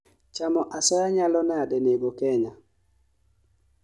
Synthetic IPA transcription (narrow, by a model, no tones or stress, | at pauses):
t͡ʃamɔʔasɔjaɲalɔnɛadɛneɡokɛɲa